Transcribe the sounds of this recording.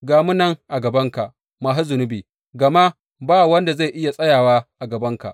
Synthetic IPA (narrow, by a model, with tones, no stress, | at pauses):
ɡaː˨mu˦nɐ˦ŋʔa˨ɡɐ˨bɐ˦ŋka˨ | maː˨ɦa˦zʊ˨nʊ˦biː˨ | ɡɐ˨ma˦ | baː˦˨wɐ˦nda˨za˦˨jʔɪ˦ja˨sʼɐ˦jaː˨waː˦ʔa˨ɡɐ˨bɐ˦ŋka̰˨ʔ